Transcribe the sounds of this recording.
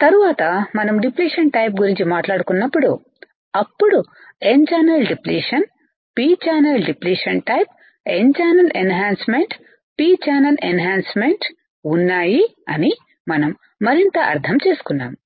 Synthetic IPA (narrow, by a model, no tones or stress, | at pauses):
t̪ɐɾuʋaːt̪ɐmɐnɐmɖipliːʂɐɳʈɐjp̬̚ɡuɾiɲt͡ʃimaːʈlaːɽukunːɐpːuɽu | ɐpːuɽu | ent͡ʃaːnɐɾlɖipliːʂɐn | piːt͡ʃaːnɐɾlɖipliːʂɐnʈɐjp | ent͡ʃaːnɐlenɦaːnsmeɳʈ | piːt͡ʃaːnɐlenɦaːnsmeɳʈ | unːaːjiɐni | mɐnɐmː | ɐɾint̪ɐʔɐ̰ɾt̪ʰɐmt͡ʃeːsu̥kunːa̰ːm